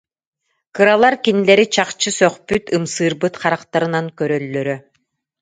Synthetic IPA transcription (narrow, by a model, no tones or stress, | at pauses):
kɯɾalˠaɾkinilɛɾit͡ɕaqt͡ɕɯsœχpyt̪ɯmsɯːɾbɯt̪χaɾaqt̪aɾɯnaŋkœɾœlːœɾœ